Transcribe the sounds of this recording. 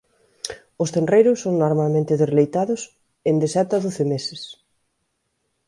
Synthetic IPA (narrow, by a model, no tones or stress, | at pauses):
ʊst̪enrejɾʊsːoŋnoɾmalmẽnt̪ɪðezlejt̪aðʊs | end̪esɛt̪ɐðoθɪmesɪs